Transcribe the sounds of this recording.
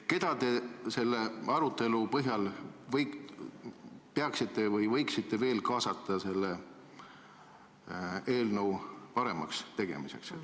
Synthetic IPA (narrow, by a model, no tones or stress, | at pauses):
ke̞d̪̥ɑt̪e̞se̞lːe̞ɑɾut̪ːˑe̞lupɤɦjɑlvɤj | peɑksit̪ˑːe̞vɯjvɤjksit̪ːe̞ve̞ːlkɑːsɑt̪ːˑɑse̞lːe | e̞ːlnəwpɑɾe̞̰mɑ̰kst̪e̞ɡ̥e̞̰mise̞̰ks